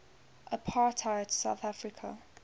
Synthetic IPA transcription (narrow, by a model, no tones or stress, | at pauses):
ʔəpʰaːtʰaɪətʰsa̰ʊθafɹɪkʰə̰